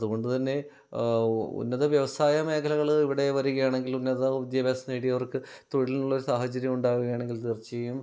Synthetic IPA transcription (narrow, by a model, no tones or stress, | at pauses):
ɐðuɣo̞ɳɖɨt̪ɐnːe̞ | ṵnːɐðɐʋjɐʋɐsaːjɐme̞ːkʰɐlɐɣɐɭiʋiɽe̞ʋɐɾuɣɐjaːɳeŋɡilunːɐðɐud̪jɐbeːsɐneːɽiɐʋɐrkɨ | t̪oɻilinuɭːɐo̞ɾusaːɦɐt͡ɕɐɾjɐmuɳɖaːɣuɣɐjaːɳe̞ŋɡilt̪irt͡ɕːiɐjum